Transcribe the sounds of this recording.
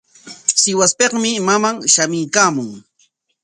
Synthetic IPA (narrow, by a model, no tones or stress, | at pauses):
sɪwaspeqmɪmamaŋʃamɪjkaːmʊŋ